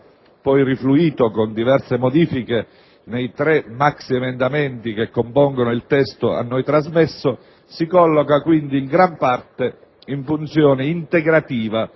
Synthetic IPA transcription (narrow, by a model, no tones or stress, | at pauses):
pɔjrifluiːt̪okond̪ivɛrsemod̪iːfike | nejt̪ɾɛmːaksiemend̪amɛnt̪ik̟ekːompɔŋɡonʊilt̪ɛst̪ʊa̰nːɔjt̪ɾazmɛsːʊ | sikɔlːɔkakwind̪iːŋɡɾampart̪e | iɱfunt̪sjɔːnɪint̪eɡɾat̪iːva